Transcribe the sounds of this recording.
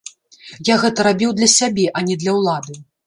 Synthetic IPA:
jaɣɛt̪ɐɾabʲiwd̪lʲɐsʲabʲɛʔɐnʲɛd̪lʲɐwlˠad̪ɨ

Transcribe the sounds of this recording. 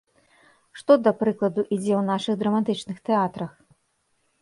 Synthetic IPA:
ʂt̪ɔd̪ɐpɾɨklˠɐd̪uʔid͡zʲɛwnaʂɨɣd̪ɾɐmat̪ɨt͡ʂnɨxt̪ɛat̪ɾɐx

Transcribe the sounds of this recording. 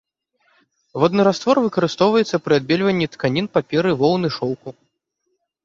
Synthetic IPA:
vɔd̪nɨɾast̪vɔrvɨkɐɾɨst̪ɔwvɐjɛt̪sːɐpɾɨad̪̚bʲɛlʲvɐnʲːit̪kanʲinpapʲɛɾɨvɔwnɨʂɔwku

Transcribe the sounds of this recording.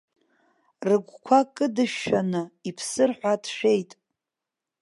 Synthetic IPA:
rɨɡʷkʷʰakʼɨdɨʃːanɨipʰsɨrħʷadʰʃᶣe̞jtʼ

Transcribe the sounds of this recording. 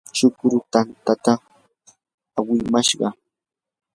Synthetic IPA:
t͡ʃʊkɾʊt̪ant̪at̪a | awɪmaʃɢɑ

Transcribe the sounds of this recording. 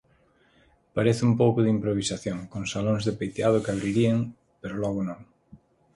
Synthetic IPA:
paɾeθɪumpowkʊðɪimpɾoβ̞isaθjõŋkoŋsalõŋzðɪpejt̪eað̞ʊkaβɾiɾieŋ | peɾolɔɣ̞ʊnõŋ

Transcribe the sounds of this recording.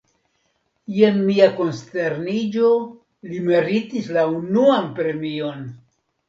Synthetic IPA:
jenmiako̞nste̞ɾnid͡ʒo̞ | limeɾitislaunuanpɾe̞mio̞n

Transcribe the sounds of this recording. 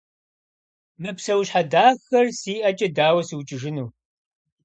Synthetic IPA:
mɨpsɐwɕħadaːxɐrsiːʔɐt͡ʃʼɐdaːwɐsiwt͡ʃʼɪʒɪnuː

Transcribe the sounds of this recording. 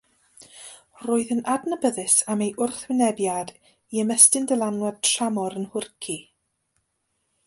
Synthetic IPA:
roːɨðənadnəbəðɨsamejʔʊrθwɪnɛbjad | iəmɛstɨndəlˠanwɛd̚tʰramɔɾənhʊrkʰi

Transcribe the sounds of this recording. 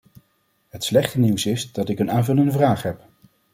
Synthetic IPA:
ɦətslɛχtəniwsɪzdɑtɪkənaːnvɵləndəvraːχɦɛp

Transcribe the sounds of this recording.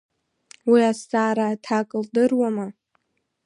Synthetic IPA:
wiastʼaːɾaːtʰakʼɨldɨrwama

